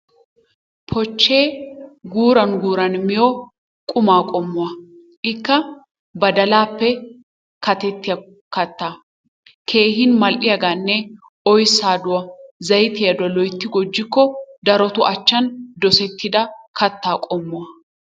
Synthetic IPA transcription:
pʰɔt͡ʃːe̞ːɡuːɾɐnɡuːɾɐnmɪjɔ | kʼʊmaːkʼɔmːʊɐ | ʔɪkːɐ | bɐd̪ɐlaːpːɛ | kɐt̪ɛt̪ːɪjɐ | kɐt̪ːaː | kʰe̞ːɦɪnmɐlʔɪjɐɡaːnːɛ | ɔjsaːd̪ʊwɐzɐjt̪ɪjɐd̪ʊwɐlɔjt̪ːɪɡɔd͡ʒːɪkːɔd̪ɐɾɔt̪ʊʔɐt͡ʃːɐnd̪ɔsɛt̪ːɪd̪ɐkʰɐt̪ːaːkʼɔmːʊwɐ

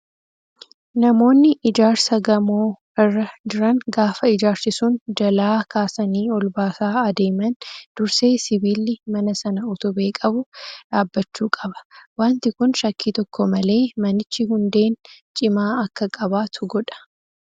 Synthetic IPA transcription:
nɐmo̞ːnːɪʔɪd͡ʒaːɾsɐɡɐmoː | ɪrːɐd͡ʒɪɾɐŋɡaːfɐɪd͡ʒaːɾsɪsund͡ʒɐlaːkʰaːsɐniːɔlbaːsaːɐd̪e̞ːmɐnd̪̥ʊɾse̞ːsɪbiːlːɪmɐnɐsɐnɐʊt̪ʊbe̞ːkʼɐbʊᶑaːbːɐt͡ʃːuːkʼɐbɐ̥waːnt̪ɪkʊnʃɐkːiːt̪ɔkːɔmɐle̞ːmɐnɪt͡ʃːɪɦʊnd̪e̞ːnt͡ʃʼɪmaːɐkːɐkʼɐbaːt̪ʰʊɡɔᶑɐ̥

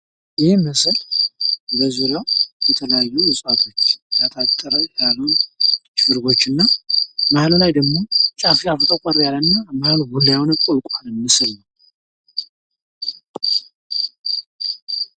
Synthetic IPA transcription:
jɪhɪmɨsɨl | bəzuɾajɛt̪ʰələjajːuwʊsʼat̪ʰo̞t͡ʃːjat̪ʰat̪ʼːəɾəjalːunt͡ʃːfɨɾɡo̞t͡ʃːɨnːamahllajd̪əɡmo̞t͡ʃʼafiafɨt̪ʼəkʼaɾjalənːamahlɡulːajawnkʷʼolkʷʼanɨmɨsɨlnəw

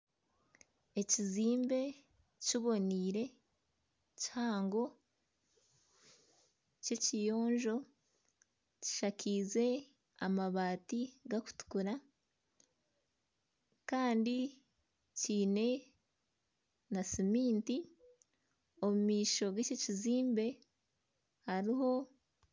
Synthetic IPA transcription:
e̞ciziːmbe̞ | ciβo̞niːɾe̞ | chaːŋɡo̞ | ce̞cijo̞ːɲʒo̞ | ci̥ʃakʰize̞ | a̰maβaːtiɡaku̥tu̥kuɾa | kaːndi | ciːne̞ | nasimiːnti | omumiːʃo̞ɡececiziːmbe̞ | haɾiɦo̞

